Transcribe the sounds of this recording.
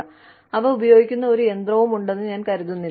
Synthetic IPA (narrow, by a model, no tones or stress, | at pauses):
ɐʋɐubɐjo̞ːɡikʲːunːɐo̞ɾujend̪rɐʋumuɳɖe̞nːɨɲaːnkɐɾuðunːil